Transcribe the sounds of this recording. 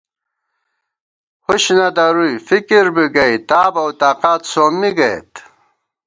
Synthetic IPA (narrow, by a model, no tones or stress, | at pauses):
huɕnɐd̪ɐɾujfikiɾbiɡɐit̪aːbɐwt̪aːqaːt̪soːmːiɡɐḛt̪